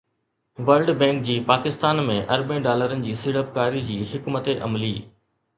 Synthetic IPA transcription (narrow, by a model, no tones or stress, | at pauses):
ʋəlɖbɛ̃ːŋk̚d͡ʑiːpaːkɪst̪aːnmẽʔɐɾbẽːɖaːləɾənɪ̆d͡ʑiːsɪɽəp̚kaːɾid͡ʑiːɦɪkmət̪eʔɐ̰mliː